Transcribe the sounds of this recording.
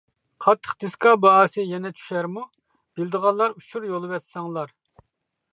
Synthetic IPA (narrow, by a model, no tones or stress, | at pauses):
qʰɑt̪ʰːə̥χd̪̥ɪskɑbɑɑːsɨjɛnɛt͡ʃʰy̥ʃæɾmu | b̥ɪld̪əʁɑnlˠɑɾut͡ʃʰuɾjolˠɨvɛt̪sɑŋlˠɑɾ